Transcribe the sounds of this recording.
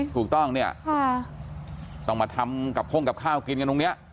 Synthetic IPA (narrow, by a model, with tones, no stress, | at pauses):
t̪ʰuː˨˩k̚t̪ɔ˥˩ŋni˥˩ɐkʰa˥˩ | t̪ɔ˥˩ŋmaː˧t̪ʰa˧mka˨˩p̚ʰo˥˩ŋka˨˩p̚kʰaː˥˩wki˧nka˧t̪o˧ni˦˥ɐʔ